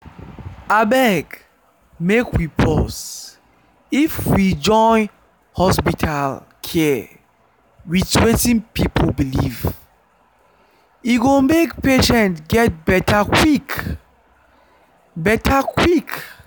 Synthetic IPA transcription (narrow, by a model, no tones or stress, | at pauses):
abɛɡ | mekwipʰɔs | ifwid͡ʒɔ̃n | hɔspitʰalkʰɛ | wit͡ʃwetĩnpipʰolbiliv | iɡomekpeʃɛ̃ntɡɛt̚bɛtʰakwik | bɛtʰakʰwik